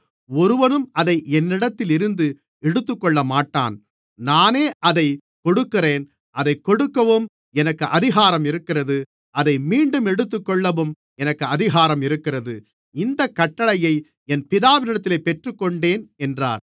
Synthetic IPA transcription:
ɔɾɯʋɐnɯmɐðɐɪɛnːɪɽɐt̪ːɪlɪɾɯnd̪ɯ | ɛɽɯt̪ːɯkːɔɭːɐmaːʈːa̰ːn | naːneːʔɐðɐɪ | kɔɽɯkːɪreːn | ʔɐðɐɪkːɔɽɯkːɐʋɯm | ɛnɐkːɯʔɐðɪɣaːɾɐmɪɾɯkːɪrɐðɯ | ʔɐðɐɪmiːɳɖɯmɛɽɯt̪ːɯkːɔɭːɐʋɯm | ɛnɐkːɯɐðɪɣaːɾɐmɪɾɯkːɪrɐðɯ | ɪnd̪ɐkːɐʈːɐɭɐjɐɪ | ɛnpɪðaːʋɪnɪɽɐt̪ːɪleːpːɛʈrɯkːɔɳɖeːnɛndra̰ːɾ

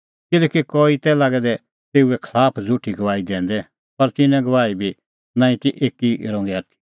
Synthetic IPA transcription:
kɪlɛkikɔːit̪ɛlaːɡɛd̪ɛ | t̪eːuɛkʰlaːpʰd͡zʱuʈʰiɡɐʋaːid̪ɛ̃ːnd̪ɛ | pɐɾt̪ɪnɛ̃ɡɐʋaːibʱi | nãːĩt̪iʔeːkiɾɔ̃ːŋɡɛaːt̪ʰi̥

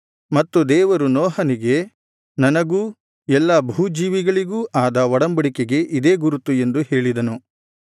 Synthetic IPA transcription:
mɐt̪ːud̪ɛːʋɐɾunɔːɦɐniɡe̞ | nɐnɐɡuː | ɛlːɐbʱuːd͡ʒiːʋiɡɐɭiɡuːʔaːd̪ɐʋɔɽɐmbɐɽikeɡe̞ʔid̪e̞ːɡuɾut̪ːue̞nd̪uhe̞ːɭid̪ɐnu

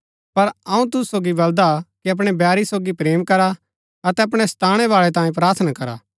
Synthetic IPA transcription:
pɐɾɐũt̪̬ʊssoːɡibɐld̪akiɐp̬ɽ̃ebjaːɾisoːɡipɾeːmkɐɾa | ɐt̪ɛɐpɽ̃est̪ʰaːɽ̃ɛβaːɭɛt̪ãːjĩp̬ɾaːɾt̪ʰnakɐɾa̰ː

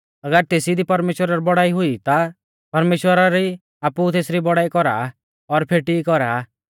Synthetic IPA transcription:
ɐɡəɾt̪eːsid̪ipɐɾmeːʃwəɾaɾibɔɽaːiɦʊit̪a | pɐɾmeːʃwəɾaɾi | aːput̪eːsɾibɔɽaːikɔɾa̰ː | ɔɾpʰeːʈikɔɾaː

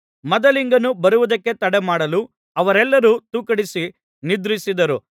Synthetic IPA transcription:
mɐd̪ɐliŋɡɐnubɐɾuʋud̪ɐkːe̞t̪ɐɽemaːɽɐlu | ɐʋɐɾɛlːɐɾut̪uːkɐɽisi | nid̪ɾisid̪ɐɾu

